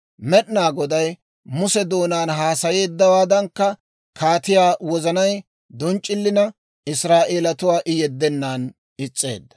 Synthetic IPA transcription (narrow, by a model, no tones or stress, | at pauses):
mɛɗnaːɡɔd̪ɐj | mʊsɛd̪o̞ːnaːnɦaːsɐje̞ːd̪ːɐwaːd̪ɐŋkːɐ | kʰaːt̪ɪjaːwɔzɐnɐj | d̪ɔnt͡ʃʼːɪlːɪnɐ | ɪsɾaːʔe̞ːlɐt̪ʊwaːʔɪjɛd̪ːɛnːaːn | ɪt͡sʼːe̞̰ːd̪ːɐ̥